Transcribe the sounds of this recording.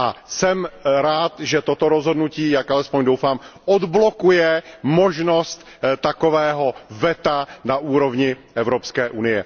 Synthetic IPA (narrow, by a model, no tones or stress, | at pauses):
ʔasɛmɾaːt̪ʒɛt̪ot̪o̞ɾozɦo̞dnuciːjakʔalɛspoɲdowfaːmʔod̪blo̞kujɛmoʒno̞st̪ | t̪akovɛːɦovɛt̪anaʔuːɾovɲɪʔɛvɾopskɛːʔunɪjɛ